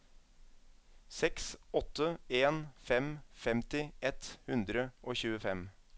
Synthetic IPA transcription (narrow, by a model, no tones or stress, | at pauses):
sɛksɔt̪ːəeːnfɛmfɛmt̪ɪʔɛt̪hʉnd̪ɾəʔoːçʉːəfɛm